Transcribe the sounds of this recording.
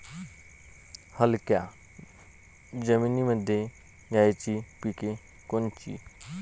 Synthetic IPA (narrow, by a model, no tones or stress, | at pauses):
həlkja | d͡ʒəmiːniməd̪ʱe | ɡaːet͡ʃipike | kont͡ʃḭː